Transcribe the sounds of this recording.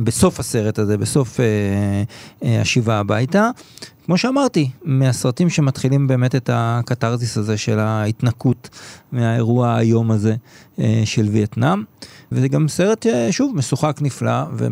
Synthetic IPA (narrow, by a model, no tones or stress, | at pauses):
beso̞fase̞ʁe̞taze̞be̞so̞fe | a̰ʃivaːbajtakmo̞ʃeamaʁtimeasʁatimʃematχilimbe̞ːme̞te̞takataʁzisaze̞ʃe̞laitnakutmeae̞ʁuaajo̞maze̞ | ʃe̞lvietnamvezeɡamse̞ʁe̞t̪ʃeʃuvmesuχaknifla̰vḛ